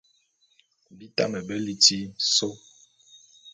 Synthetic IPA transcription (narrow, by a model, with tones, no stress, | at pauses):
bi˦ta˦mɛ˨bɛ˦li˦ti˦so˦